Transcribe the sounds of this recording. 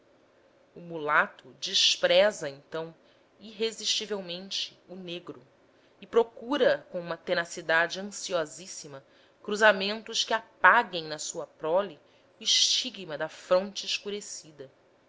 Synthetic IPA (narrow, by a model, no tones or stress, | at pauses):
ʊmulat̪ʰʊd͡ʒiʃpɾɛzɐẽnt̪ɐ̃w̃ | iɦeziʃt͡ʃivewmẽnt͡ʃɪuneɡɾʊ | ɪpɾokuɾɐkõũmɐt̪enasid̪ad͡ʒɪɐ̃siɔzisimɐ | kɾuzamẽnt̪ʊskɪapaɡẽj̃nɐsuɐpɾɔli | ʊiʃt͡ʃiɡmɐd̪ɐfɾõnt͡ʃɪːʃkuɾesid̪ɐ